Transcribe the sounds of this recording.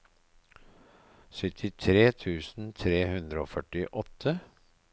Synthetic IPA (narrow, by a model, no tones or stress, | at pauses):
sʏt̪ʰɪt̪ʰɾeːt̪ʰʉːsn̩t̪ʰɾeːhʉnd̪ɾəo̰ːfœʈɪʔɔt̪ʰːə